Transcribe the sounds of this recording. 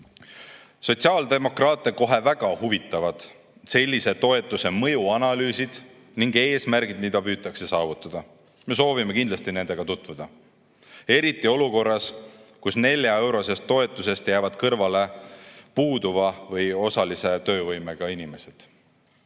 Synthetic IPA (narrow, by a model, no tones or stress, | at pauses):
so̞t̪ʲsiɑːld̪̥e̞mo̞krɑːt̪ːˑeko̞ɦe̞væɡ̥ɑhuvit̪ːˑɑvɑd̪̥ | se̞lʲːise̞t̪o̞e̞t̪ːˑuse̞mɤ̞juɑnɑlyːsid̪̥ | niŋɡe̞ːsmæɾɡ̥id̪mid̪̥ɑpyːt̪ːˑɑkse̞sɑːvut̪ːˑɑd̪̥ɑ | me̞s̬o̞ːvime̞kind̪lɑst̪ine̞nd̪̥e̞ɡ̥ɑt̪ut̪vud̪̥ɑ | e̞ɾit̪ˑːio̞luko̞rːɑskusne̞lʲjɑe̞wɾo̞se̞st̪ːo̞e̞t̪ːˑuse̞st̪jæːvɑd̪̥kɤrvɑle̞puːd̪uvɑvɤjo̞sɑlise̞t̪ø̞ːvɤjme̞ɡ̥ɑinime̞sed̪̥